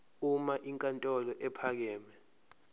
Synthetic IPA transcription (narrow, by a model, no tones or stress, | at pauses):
umaʔiŋkʼantʼɔlɔʔɛpʰak̬ɛːmɛ